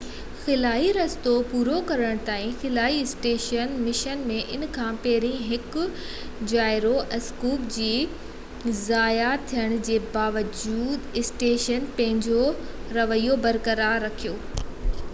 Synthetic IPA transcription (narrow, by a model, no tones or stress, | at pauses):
xɪlaːiɾɐst̪opuːɾokɐɾəɽ̃t̪aːĩxɪlaːiɪsʈeːʃənmɪʃənmẽʔɪnkʰãːpeːɾĩɦɪkʊ | d͡ʑaːɪɾoʔɐskuːpd͡ʑiː | zaːjat̪ʰijəɽ̃̆d͡ʑeːbaːʋəd͡ʑuːd̪ɪsʈeːʃənpɐ̃ɦɪ̃ɲd͡ʑoɾɐʋəijobɐɾkɐɾaːɾːɐkʰijoː